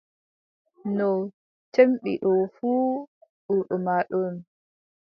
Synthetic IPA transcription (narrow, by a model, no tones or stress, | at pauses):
nɔ | temɓḭɗɔfuːɗuɗɔmaːɗɔn